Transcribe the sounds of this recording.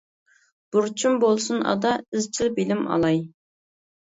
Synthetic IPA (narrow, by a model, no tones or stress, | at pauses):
b̥uɾt͡ʃʰumbolˠsunɑ̰d̪ɑɪzt͡ʃʰilˠbilɪmɑ̰lˠɑj